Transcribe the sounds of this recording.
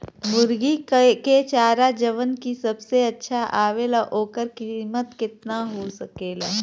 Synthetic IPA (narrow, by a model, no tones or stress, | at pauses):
mʊɾɡiket͡ʃaːɾad͡ʒəʋənkisɐbseɐtːʃʰaʔaːʋelaʔoːkəɾkɪmət̪kɪt̪naɦoːsɐkeːlaː